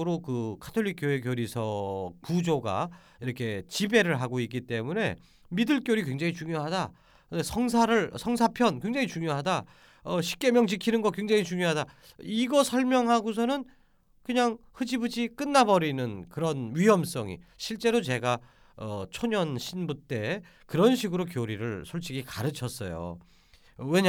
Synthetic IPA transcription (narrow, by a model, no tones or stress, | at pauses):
ɯɾokɯkʰḁtʰoʎːik͈joɦe̞kjoɾisʰʌkud͡ʑoɡa̰ | iɾʌkʰe̞t͡ɕibe̞ɾɯɭɦaɡoik͈it͈e̞mune̞̰ | midɯɭk͈joɾikwe̞ŋd͡ʑaŋit͡ɕuŋjoɦada | kɯdesʰʌŋs̬ʰaɾɯɭsʰʌŋsʰapʰjʌnkweŋd͡ʑaŋit͡ɕuŋjoɦada | ʌɕʰi̥p̚k͈e̞mjʌŋt͡ɕikʰinɯnɡʌkwe̞ŋd͡ʑaŋit͡ɕuŋjoɦada | iɡʌsʰʌɭmjʌŋɦaɡos̬ʰʌnɯn | kɯɲaŋhɯd͡ʑibɯd͡ʑik͈ɯnːabʌɾinɯnkɯɾʌnɥiɦʌms͈ʌŋḭɕʰiɭt͡ɕ͈e̞ɾot͡ɕe̞ɡa | ʌ̰t͡ɕʰoɲʌnɕʰinbut͈e̞ | kɯɾʌnɕʰiɡɯɾokjoɾiɾɯɭsʰoɭt͡ɕʰiɡikaɾɯt͡ɕʰʌs͈ʌ̰jo̰ | we̞ɲ